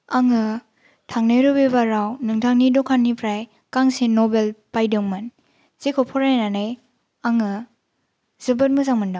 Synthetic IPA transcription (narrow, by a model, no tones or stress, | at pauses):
aŋɯ | tʰaŋnɯjɾubebaɾawnɯŋtʰaŋnidɔkʰanːipʰɾaj | kaŋsenobelpajdɯŋmɐn | z̥ekʰɔpʰɔɾajnanaj | aŋɯ | zɯbɯt̚mɯzaŋmɯnda